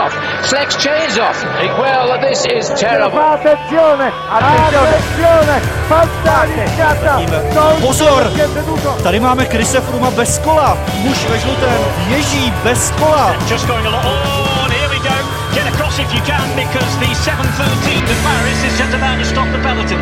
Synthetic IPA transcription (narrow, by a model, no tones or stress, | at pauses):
ɔf | slɛkst͡ʃʰẽɪ̃nzɔf | wɛlˠðɪsɪztʰɛɹɪblat̪ɛnsjoːnɛ | aaɛnsjoːnɛ | fast̪anikat̪aiːmɛt̪opozoɾɛɛt̪uːt̪ot̪aɾɪmaːmɛkɾɪsɛfɾumabɛskola | muʃvɛʒlut̪ɛmjɛʒiːbɛskolasd̥d͡ʒ̥ʌsɡ̥oʊɪ̃ŋəlɔt | ɔnɛwidõʊ̃nt | ɡ̥ɛɾəkʰɹ̥ɔsɪfjɨkʰãnbɪkʰɔzðɨsɛvə̃n̩θɜːˑtʰĩːnðəmaɹɪzɪzd͡ʒʌstəmãʊ̃nəstɔp̚ðəpɛlˠətɪ̃n